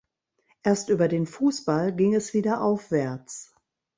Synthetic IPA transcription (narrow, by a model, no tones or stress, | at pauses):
ʔeːɐstʔyːbɐdeːnfuːsb̥alɡɪŋɛsv̥iːdɐʔaʊfv̥ɛɐt͡s